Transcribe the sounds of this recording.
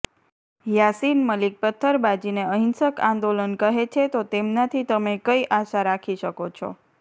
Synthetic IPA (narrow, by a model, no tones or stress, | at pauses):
jasinməlik̚pət̪ʰːəɾbad͡ʒineəɦinsəkãnd̪olənkəɦet͡ʃʰet̪ot̪emnat̪ʰit̪əmekəiʔaʃaɾakʰiʃəkot͡ʃʰɔ̰